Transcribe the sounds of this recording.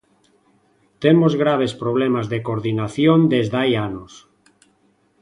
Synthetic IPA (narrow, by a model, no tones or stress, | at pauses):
t̪emozɣɾaβ̞espɾoβ̞lemazðekoɾðinaθjond̪ezðajanos